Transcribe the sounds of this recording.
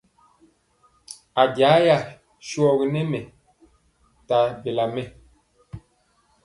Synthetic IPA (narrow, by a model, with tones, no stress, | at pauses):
a˨ɡja˨˦ja˦˨ | ʃu˦ɔ˨ɣi˨nɛ˦mɛ˨ | ta˨be˨la˨mɛ˦˨